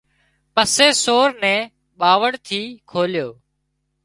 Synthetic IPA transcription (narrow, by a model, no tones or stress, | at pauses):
pəseːsoːɾnɛ̃ː | ɓaːʋəɽt̪ʰiːkʰoːljoː